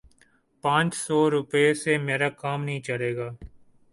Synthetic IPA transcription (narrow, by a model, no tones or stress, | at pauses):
pãːt͡ʃsɔːɾʊpesemeːɾaːkaːmnəɦĩːt͡ʃəɽeːɡaː